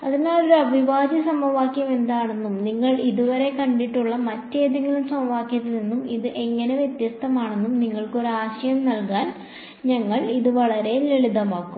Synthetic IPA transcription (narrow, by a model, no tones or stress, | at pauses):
ɐðinaːlo̞ɾuɐbʱiʋaːd͡ʑɐsɐmɐʋaːkjɐme̞nd̪aːɳe̞nːumniŋːɐɭiðuʋɐɾe̞kɐɳɖiʈːuɭːɐmɐtːe̞ːd̪ɐŋːɐlumsɐmɐʋaːkjɐðɐlinːumiðɨʔe̞ŋːɐne̞ʋje̞t̪jɐst̪ʰɐmaːɳe̞nːumniŋːɐɭko̞ɾuaːɕɐjɐmnɐlkaːn | ɲɐŋːɐɭiðɨʋɐɭɐɾe̞leɭid̪ɐmaːkːu